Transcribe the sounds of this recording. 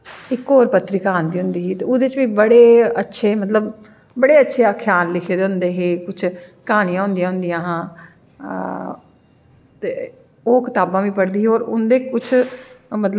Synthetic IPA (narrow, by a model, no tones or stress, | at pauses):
ɪkːoːɾpət̪ːɾiːkaːnd̪iːɦʊnd̪iːɦiːt̪eːʊd̪eɪt͡ʃʋiːbəɽeːətːʃʰeːmət̪ləb | bəɽeːətːʃʰeːakʰjaːnlɪkʰeːd̪eɦʊ̃nd̪eːɦeːkʊt͡ʃʰkaːnijãːɦʊ̃nd̪ijãːɦʊnd̪ijãːɦãː | t̪eː | oːkɪt̪aːbãːʋiːpəɽd̪iːɦoːɾʊnd̪eːkʊt͡ʃʰmət̪lə